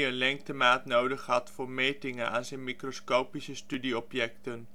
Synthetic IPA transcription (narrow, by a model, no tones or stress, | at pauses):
ənlɛŋk̚təmaːtnowdəχɦɑtfʊːɹmejtɪŋəna̰ːnzɛjnmikroskowpisəstydiɔpjɛktən